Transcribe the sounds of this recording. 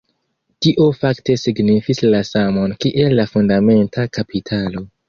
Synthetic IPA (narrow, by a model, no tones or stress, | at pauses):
tiʔo̞fakte̞siɡnifislasamo̞nkiʔe̞lːafundame̞ntʰakapʰitʰalo̞